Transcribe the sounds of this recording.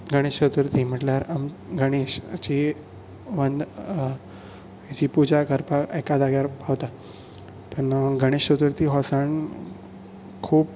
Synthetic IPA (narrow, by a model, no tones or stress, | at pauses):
ɡʱəɽ̃eɕɕət̪uɾt̪im̤əʈljaɾamɡʱəɽ̃eɕt͡ɕi | ʋənd̪ | jat͡ɕipud͡ʑakəɾpaekad̪aɡjaɾpaʋt̪a | t̪ənɡʱəɽ̃eɕət̪uɾt̪iɦɔsaɳ | kʰuːp̚